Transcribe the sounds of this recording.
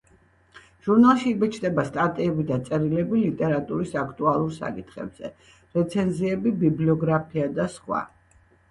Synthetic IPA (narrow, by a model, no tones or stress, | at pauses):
ʒ̥uɾnalˠʃiːbɛt͡ʃʰd̪ɛbast̪ʼat̪ʼiɛbid̪at̪sʼɛɾilɛbilit̪ʼɛɾat̪ʼuɾisakʰt̪ʼualˠuɾsa̰kʼit̪ʰχɛ̰bz̥ɛ̰ | ɾɛt̪sʰɛnziɛbibibliɔɡɾapʰiad̪asqwa̰